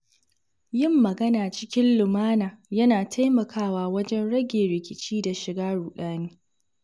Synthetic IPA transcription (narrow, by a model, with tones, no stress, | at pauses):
jɪ˦˨mːɐ˨ɡɐ˦naː˨t͡ʃɪ˦kʲɪ˦nlʊ˨maː˦naː˨jɐ˦naː˨tʰa˦jmɐ˨kʰaː˦waː˦wɐ˦d͡ʒɛ˦nɽɐ˦ɡʲeː˨ɾɪ˨kʲɪ˦t͡ʃiː˦da˨ʃɪ˨ɡaː˦ɽuː˨ɗaː˦neː˦